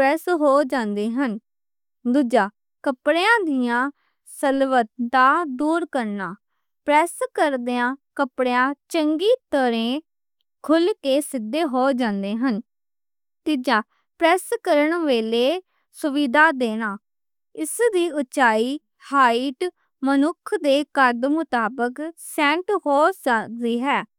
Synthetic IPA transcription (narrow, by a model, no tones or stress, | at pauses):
ɾɛːsɦoːd͡ʒãːnd̪eːɦən | d̪ud͡ʒaː | kəpɽejãːd̪ɪjãː | səlʋət̪d̪aːd̪uːɾkəɾnaː | pɾɛːskəɾd̪eãːkəpɽejãːt͡ʃəŋɡiːt̪əɾẽː | kʰʊlkeːsɪd̪eːɦoːd͡ʒãːnd̪eːɦən | t̪ɪd͡ʒãː | pɾɛːskəɾəɳʋeːleː | sʊʋid̪aːd̪eːnaː | ɪsd̪iːʊt͡ʃaːiː | haːiʈ | mənʊkʰd̪eːkəɾd̪mʊt̪aːbəksɛ̃ːɳʈɦoːsd̪iːɦɛː